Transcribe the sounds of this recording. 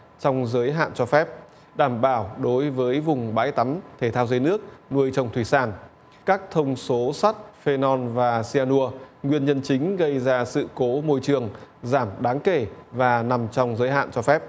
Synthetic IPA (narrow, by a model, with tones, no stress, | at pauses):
t͡ɕɔ˧wŋ͡mzəː˨˦jɦa̰ː˧˨nt͡ɕɔ˧fɛ˦˥p̚ | ɗaː˧˩mɓaː˧˩wɗo˨˦jvəː˨˦jvʊ˨˩ŋ͡mɓa̰ː˧˥jt̪a˨˦mt̪ʰe˧˩t̪ʰaː˧wze˧jnɨ˦˥ək̚nu˧əjt͡ɕə˨˩wŋ͡mt̪ʰwi˧˩saː˧˩n | kaː˦˥k̚t̪ʰə˧wŋ͡mso˨˦sa˦˥t̚fe˧nɔ˧nvaː˨˩si˧ʔaː˧nu˧əŋwi˧ənɲə˧nt͡ɕï˨˦ŋ̟ɣə˧jzaː˧sɨ̰˧˨ko˨˦mo˧jt͡ɕɨ˨˩əŋzaː˧˩mɗaː˨˦ŋke˧˩vaː˨˩na˨˩mt͡ɕɔ˧wŋ͡mzəː˨˦jɦa̰ː˧˨nt͡ɕɔ˧fɛ˦˥p̚